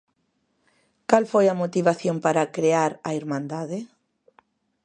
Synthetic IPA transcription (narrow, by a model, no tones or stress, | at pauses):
kalfojɐmot̪iβaθjompaɾakɾeaɾɐiɾmãnd̪aðɪ